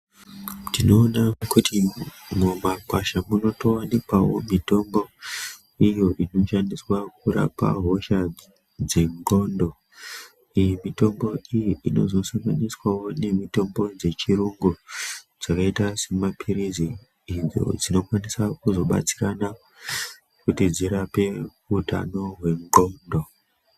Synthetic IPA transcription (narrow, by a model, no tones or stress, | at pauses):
tino̞ːnakutimumakwaʃamuno̞to̞wanikwawo̞̰mito̞mbo̞ | ijo̞ʔino̞ʃandiswak̚uɾa̰pa̰ɦo̞ʃa | d͡zeŋɡo̞ndo̞ | ijimito̞mbo̞ijiʔino̞̰zo̞saŋɡaniswawo̞ne̞mito̞mbo̞d͡ze̞t͡ʃiɾuŋɡu | d͡zakaitase̞mapʰiɾiziː | nd͡zo̞̰d͡zino̞kwanisakuzo̞ɓa̰t͡si̥kana | kutid͡ziɾape̞ | uta̰no̞ɦwe̞ŋɡo̞ːndo̞